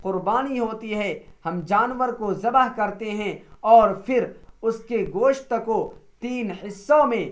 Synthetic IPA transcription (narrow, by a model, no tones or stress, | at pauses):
qʊɾbaːniɦoːt̪iɦɛhɐmd͡ʒaːnʋəɾkozɐbaɦkɐɾt̪eɦɛ̃ɔːɾfʰɪɾʊskeɡoːʃt̪əkot̪iːnhɪsːõmẽ